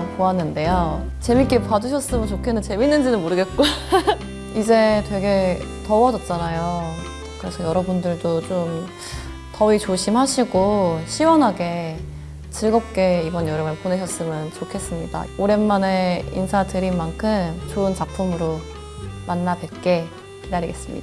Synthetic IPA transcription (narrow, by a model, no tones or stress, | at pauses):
koanːɯnde̞jot͡ɕe̞mik͈epaduɕʰʌs͈ɯmɯnt͡ɕokʰenɯnt͡ɕe̞minːɯnd͡ʑinɯnmoɾɯɡet̚k͈o | id͡ʑe̞twe̞ɡe̞ | tʌwʌd͡ʑʌt̚t͡ɕ͈anajo | kɯɾe̞sʰʌjʌɾʌbundɯɭdot͡ɕom | tʌit͡ɕoɕʰimɦaɕʰiɡoɕʰiwʌnɦaɡe̞ | t͡ɕɯɭɡʌp̚k͈e̞ibʌnjʌɾɯmɯɭpone̞ɕʰʌs͈ɯmɯnt͡ɕokʰe̞s͈ɯmɲid̥a̰oɾe̞nːane̞ḭnsʰadɯɾinmankʰɯmt͡ɕoɯnt͡ɕapʰumɯɾo | manːadwe̞t̚k͈e̞ | kidaɾiɡe̞s͈ɯmɲḭd̥a